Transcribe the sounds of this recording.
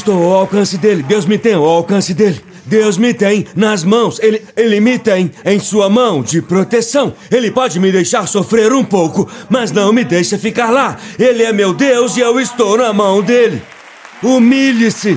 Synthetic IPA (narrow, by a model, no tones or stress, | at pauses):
ɪst̪owwawkɐ̃sɪd̪elɪd̪ewzmɪt̪ẽj̃ʊawkɐ̃sɪd̪elɪ | d̪ewzmɪt̪ẽj̃nɐzmɐ̃w̃selɪelɪmɪt̪ẽj̃ẽj̃suɐmɐ̃w̃d͡ʒɪpɾot̪esɐ̃w̃elɪpɔd͡ʒɪmɪd̪ejʃaɾsofɾeɾũpowkʊmɐznɐ̃w̃mɪd̪ejʃɐfikaɾlaelɪɛmewd̪ewzɪewɪst̪ownɐmɐ̃w̃d̪elɪ̰ | umiʎɪsɪ